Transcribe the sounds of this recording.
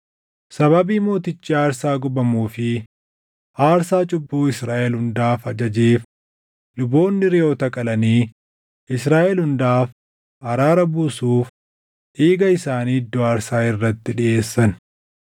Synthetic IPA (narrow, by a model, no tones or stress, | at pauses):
sɐβɐbiːmo̞ːt̪ɪt͡ʃːiːaːɾsaːɡʊbɐmuːfɪ | ʔaːɾsaːt͡ʃʼʊbːuːɪsɾaːʔɛlhʊnd̪aːfɐd͡ʒɐd͡ʒeːf | lʊbo̞ːnːɪɾɪoːt̪ɐkʼɐlɐniː | ɪsɾaːʔɛlhʊnd̪aːf | ɐɾaːɾɐbuːsuːf | ʔeːɡɐɪsaːniːd̪ːʊaːɾsaːɪrːɐt̪ːɪᶑɪʔe̞ːsːɐn